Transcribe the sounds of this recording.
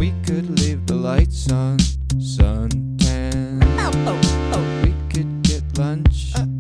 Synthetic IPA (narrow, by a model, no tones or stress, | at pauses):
wikʰɨdˡlivðəlaɪtsʌ̃n | sʌ̃n | tʰa | wikʰɨd̚ɡ̥ɛtlʌ̃nt͡ʃ